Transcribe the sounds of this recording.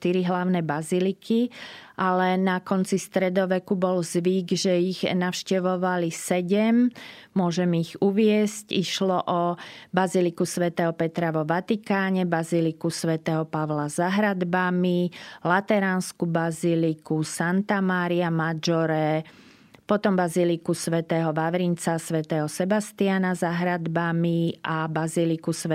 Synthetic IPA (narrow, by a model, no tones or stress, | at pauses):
ʃt̪iɾiɦlaʊnɛbazilikʰiʔalɛnakɔnt͡sist̪ɾɛd̪ɔʋɛkubɔlzʋiːɡʒɛiɣnaʊʃcɛʋɔʋalisɛɟɛmmʊɔʒɛmiɣuʋɪɛsciʃlɔʔɔbazilikusʋɛt̪ɛːɦɔpɛt̪ɾaʋɔʋat̪ikaːɲɛbazilikusʋɛt̪ɛːɦɔpaʋlazaɦɾad̪bamilat̪ɛɾaːnskubazilikusant̪amaːɾiamad͡ʒɔɾɛ | pɔt̪ɔmbazilikusʋɛt̪ɛːɦɔʋaʋɾint͡sasʋɛt̪ɛːɦɔsɛbast̪ianazaɦɾad̪bamiabazilikusʋɛ